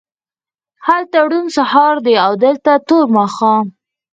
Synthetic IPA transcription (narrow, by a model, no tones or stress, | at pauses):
halt̪aɽunsahɑɾd̪əawd̪əlt̪at̪oɾmaxɑ